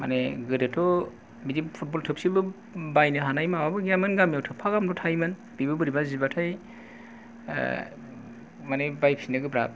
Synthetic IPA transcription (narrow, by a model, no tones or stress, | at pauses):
ma̰neɡɯdɯtʰɔ | bidippʰut̚bɔltʰɯp̚sibɯ | bajnɯɦanajmawabɯɡamɯnɡamjawtʰɯpʰaɡamdɔtʰajmɯn | b̥ibɯbɯɾibazibatʰaj | manebajpʰinɯɡɯbɾa̰p̚